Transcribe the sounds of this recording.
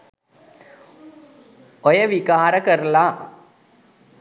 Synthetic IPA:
ɔjɐʋikaːɾɐkɐrlaː

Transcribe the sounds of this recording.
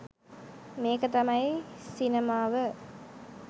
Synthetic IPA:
meːkət̪ɐmɐjsinemaːʋə

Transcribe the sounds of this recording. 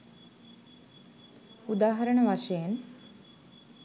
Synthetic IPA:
ud̪aːɦɐɾəɳəʋaʃejen

